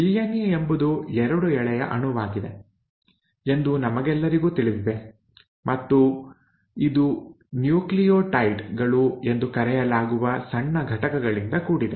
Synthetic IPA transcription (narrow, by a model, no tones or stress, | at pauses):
iljɐnijɐembud̪uɛɾɐɽuɛɭɛjɐ̰ʔɐɳuʋaːɡid̪e̞ | e̞nd̪unɐmɐɡɛlːɐɾiɡuːt̪iɭiʋiʋe | mɐt̪ːu | id̪u | njuːklijoːʈɐjʈɡɐɭue̞nd̪ukɐɾɛjɐlaːɡuʋɐsɐɳːɐɡʱɐʈɐkɐɡɐɭind̪ɐkuːɽid̪ḛ